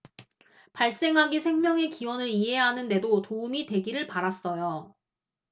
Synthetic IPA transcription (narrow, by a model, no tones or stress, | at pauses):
paɭs͈e̞ŋɦaɡisʰe̞ŋmjʌŋe̞kiwʌnɯɾiɦe̞ɦanɯnde̞dotoumite̞ɡiɾɯɭpaɾas͈ʌjo